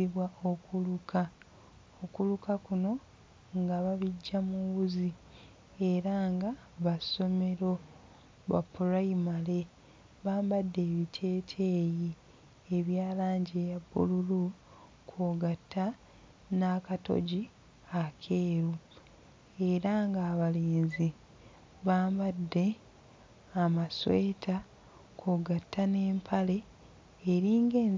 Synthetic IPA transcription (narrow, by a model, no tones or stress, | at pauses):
iβwaʔo̞kulukʰa | okulukakuno̞ | ŋɡaβaβiɟːamuβuzi | e̞ɾaŋɡa | βaso̞me̞ɾo̞ | ba̰pːuɾaimale̞ | βaːmbadːe̞ːβitʰe̞ːtʰe̞ːji | eβjaːlaːɲɟejabːṵlulu | kʰoɡatʰːa | nakato̰ɟi | akʰe̞ːɾu | e̞ɾaŋɡaːβaleːnzi | βaːmbadːe̞ː | masweːtʰa | kʰoːɡatʰːane̞ːmpʰale̞ː | ɾiːŋɡe̞ːn